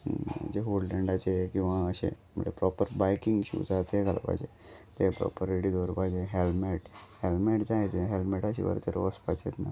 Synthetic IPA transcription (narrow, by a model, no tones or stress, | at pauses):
d͡ʑeɦolɖẽɳɖat͡ɕekĩw̃ʋaəɕḛ | mə̰ɳḛpɾɔpəɾbajkiŋɡɕṵd͡zat̪eɡala̰pa̰jd͡ʑe | t̪epɾɔ̰pəɾeɽid̪ʱoɾpajd͡ʑeɦelmeʈhelmeʈd͡zaet̪eɦelmeʈaɕḭʋə̰ɾt̪eɾʋəspat͡set̪na